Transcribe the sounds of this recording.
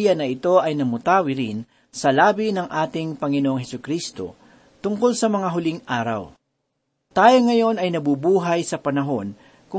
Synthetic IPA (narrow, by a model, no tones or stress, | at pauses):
jɐnɐʔɪt̪o̞ʔɐjnɐmʊt̪aːwɪɾɪn | sɐlaːbinɐŋʔaːt̪ɪŋpɐŋɪnoʔoŋhɛsʊkɾiːst̪o̞̰ | t̪ʊŋko̞lsɐmɐŋaɦʊliŋʔaːɾɐ̰w | t̪aːjoŋːɐjo̞nɐjnɐbubuːɦɐjsɐpɐnɐɦo̞n | kʊ